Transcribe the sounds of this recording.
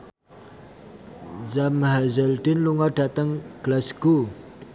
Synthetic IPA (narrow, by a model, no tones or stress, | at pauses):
zamɦazəld̪inluŋɔɖ̥at̪əŋɡ̥lasku